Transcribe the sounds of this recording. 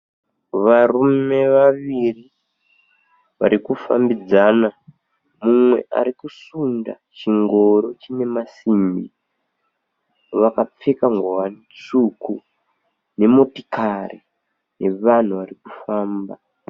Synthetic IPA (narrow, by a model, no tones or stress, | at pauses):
ʋarume̞ʋaʋiri | ʋa̰ɾikufa̰mbid͡zana | mumwe̞̰ʔa̰ɾikusunda̰t͡ʃiŋɡo̞ɾo̞t͡ʃine̞masimbḭ | ʋakap͡fekaŋɡowan | t͡suku | ne̞motikʰari | ne̞ʋan̤uʋarikufaːmba